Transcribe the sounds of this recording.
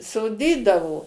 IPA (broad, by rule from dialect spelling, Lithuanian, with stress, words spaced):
soːˈdʲiːdɐʋoː